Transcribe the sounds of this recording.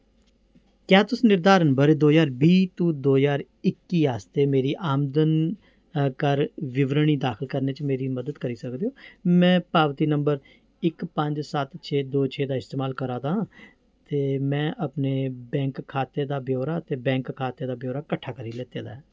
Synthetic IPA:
kjaːt̪ʊsiːnɪɾd̪aːɾnəmbəɾd̪oːzaːɾbiːt̪ũːd̪oːzaːɾ | ɪkːiːaːst̪eːmeːɾiːʔaːmd̪ən | kəɾʋɪʋɾɳiːd̪aːkʰɪlkəɾneːt͡ʃmeːɾiːməd̪əd̪kəɾiːsəkd̪eːɦoːmɛ̃ːpaːʋt̪iːnəmbəɾ | ɪkpəɲd͡ʒsət̪t͡ʃʰeːd̪oːt͡ʃʰeːd̪aːɪst̪eːmaːlkəɾaːd̪ãː | t̪eːmɛ̃ːʔəpneːbɛ̃ːŋkʰːaːt̪eːd̪aːbjoːɾaːt̪eːbɛ̃ːŋkʰːaːt̪eːd̪aːbjoːɾaːkəʈʰːaːkəɾiːlɛːt̪eːd̪a̰ːɛː

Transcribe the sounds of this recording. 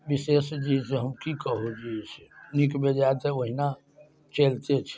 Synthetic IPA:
ʋiseːsd͡ʒid͡ʒɦəmkikəɦod͡ʒiːsenikbed͡ʒat̪eəɦina | t͡ʃeːlt̪et͡ʃʰ

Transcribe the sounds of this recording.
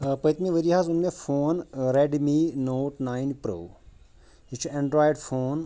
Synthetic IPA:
pəjt̪mĩʋəɾiɦazunmẽfʰoːnɾeɖminoːʈnaːinpɾo̰ː | ɦit͡ʃʰuẽɳɖɾaːjɖfoːn

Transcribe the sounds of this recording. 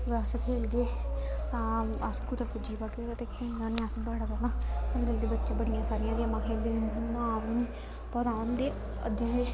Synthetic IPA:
ʋaːskʰeːlɡeːt̪ãːaskut̪apʊd͡ʒiːpaket̪eːkʰeːld̪ãːnĩasbaːɽaːd͡ʒaːnãːəsɡəld̪iːbətːʃãːbəɽɪjãːsaːɾɪjãːɡeːmãːkʰeːld̪eːnːnːsənmãːʋiːniː | pɔːd̪ãːond̪eː | ə̰d̪ĩeː

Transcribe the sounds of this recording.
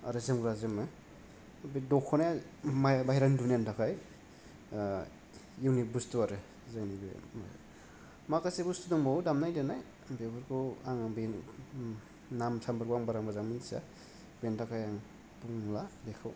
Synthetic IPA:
a̰ɾɯzɯmɡɾazɯmɯ | bedɔkʰːɔnaja | mbajɾandunentakʰaj | iwnibustuaɾɯ | zeŋnibḛma̰ | makasebustuduŋmawdamnajdenaj | bebɯɾkʰuaŋbe | namsʰambaɾkuaŋbaɾaŋbazaŋmɯnsa̰ | bentakʰajaŋ | puŋladekʰɯw

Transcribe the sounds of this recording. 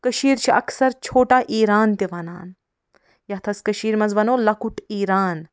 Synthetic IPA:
kɐʃiːɾt͡ʃʰiɐ̰ksɐɾt͡ʃʰoːʈaːʔiːɾaːnt̪iʋɐna̰ːn | jɐt̪ʰɐskɐʃiːɾmɐzʋɐnoːlɐkuʈiːɾaːn

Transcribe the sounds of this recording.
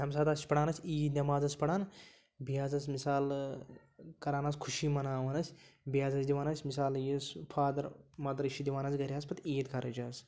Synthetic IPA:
ɦɐmsaːt̪asʰpɐɽaːnɐsʲiːd̪nʲɐmaːzɐsʲpɐɽaːn | bijaːzɐs̬misaːl | kɐɾaːnaːskʰuʃimɐnaːʋɐnɐsʲbijaːzɐsʲd̪iʋaːnɐsʲmisaːljispʰaːd̪ɐɾmɐːd̪ɐɾʃid̪iʋaːnɐsɡɐɾʲiaːsʲpɐt̪iːt̪kʰɐɾɐt͡ʃaːs

